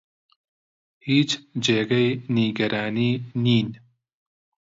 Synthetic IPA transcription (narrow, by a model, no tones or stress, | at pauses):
hiːt͡ʃd͡ʒeːɡɐjniːɡɐɾaːniːniːn